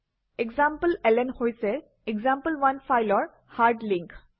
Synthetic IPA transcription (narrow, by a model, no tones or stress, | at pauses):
eɡzãmpəlelenhojse | eɡzãmpəlʋanfajlɔɹ | haɾɖlĩŋk